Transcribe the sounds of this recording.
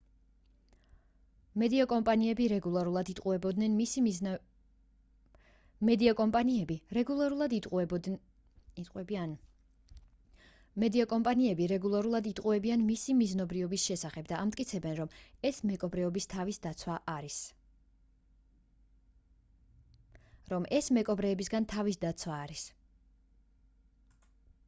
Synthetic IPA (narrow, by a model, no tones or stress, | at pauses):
mɛd̪iakʼɔmpʼaniɛbiɾɛɡulˠaɾulˠad̪it̪ʼqʼuɛbɔd̪nɛn | mɛd̪iakʼɔmpʼaniɛbiɾɛɡulˠaɾulˠad̪ | t̪ʼqʼwɛb | mɛd̪iakʼɔmpʼaniɛbiɾɛɡulˠaɾulˠad̪it̪ʼqʼuɛbianmisimiznɔbɾiɔbisʃɛsaχɛb̚d̪aʔːmt̪ʼkʼit̪sʰɛbɛnɾɔmɛsmɛkʼɔbɾɛɔbist̪ʰavisd̪at̪sʰwaʔaɾis | ɾɔmʔɛsmɛkʼɔbɾɛːbisɡant̪ʰavisd̪at̪sʰwaːɾis